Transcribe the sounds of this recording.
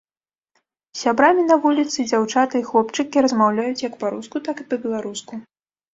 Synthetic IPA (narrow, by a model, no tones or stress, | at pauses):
sʲabɾamʲinɐvulʲit̪sɨd͡zʲawt͡ʂat̪ɨixlˠɔpt͡ʂɨkʲiɾɐzmawlʲajut͡sʲjɐkpaɾuskut̪akɨpɐbʲɛlˠaɾusku